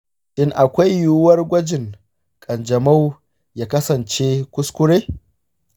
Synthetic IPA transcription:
ʔɪ˦ŋʔa˨kʷa˦jːuː˦wɐ˦rɡʷɐ˦d͡ʒɪ˨ŋ | kʼɐ˨nd͡ʒɐ˨ma˦w | jaː˦kɐ˦sɐ˨nt͡ʃe˦kʷʊ˦skʷʊ˦ɽeː˦

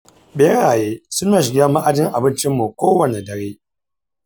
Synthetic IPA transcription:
be˦ɽaː˨jeː˦sʊ˦nːaː˨ʃɪ˨ɡʲa˦ma˦ʔa˨d͡ʒɪ˦ŋʔa˨bɪ˦nt͡ʃɪ˦mːu˨kʷoː˦wɐ˨ne˨dɐ˨ɾeː˦

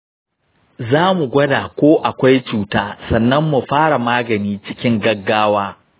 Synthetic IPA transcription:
zaː˦mu˨ɡʷɐ˦daː˨kʷoː˦ʔa˨kʷa˦jt͡ʃuː˨taː˦sɐ˨nːɐ˦mːu˨ɸaː˦ɽa˨maː˦ɡɐ˨niː˦t͡ʃɪ˦kʲɪ˦ŋɡɐ˦ɡːaː˦waː˦

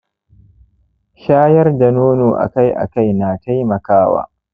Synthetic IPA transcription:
ʃaː˦jɐ˦rda˨noː˦noː˨ʔa̰˨ka˦jʔa̰˨ka˦jnaː˨ta˦jmɐ˨kaː˦wa̰ː˦

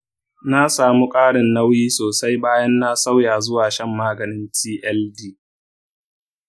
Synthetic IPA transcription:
na˦saː˨mu˦kʼaː˦ɽɪ˨nːa˦wjiː˦soː˨sa˦jbaː˦jɐ˦nːa˦sa˦wjaː˨zʊ˦waː˨ʃɛ˦mːaː˦ɡɐ˨nɪ˦ntiː˦ʔɛ˦ldiː˦

